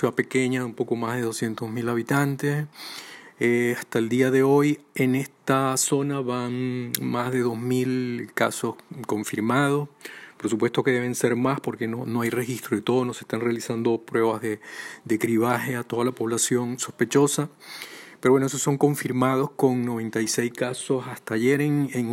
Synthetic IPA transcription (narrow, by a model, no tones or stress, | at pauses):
suape̞ke̞ɲaumpo̞ko̞mazðe̞ðo̞sje̞nt̪o̞zmilaβit̪ant̪e̞s | east̪aeld̪iaðe̞o̞je̞ne̞st̪aso̞naβaŋmazðe̞ðo̞zmilkaso̞sko̞ɱfiɾmað̞o̞spo̞ɾsup̬we̞st̪o̞ke̞ðe̞βe̞nse̞ɾmaspo̞ɾke̞nono̞ajre̞xist̪ɾoðet̪o̞ðono̞se̞hst̪anre̞alisand̪o̞pɾwe̞βazðed̪ekɾiβ̞axe̞at̪o̞ð̞alapo̞βlasjo̞nso̞spe̞t͡ʃo̞sapeɾoβwenoes̬osːo̞ŋko̞ɱfiɾmað̞o̞sko̞ŋno̞βe̞nt̪ajse̞jskaso̞sast̪aːʝe̞ɾeŋeŋ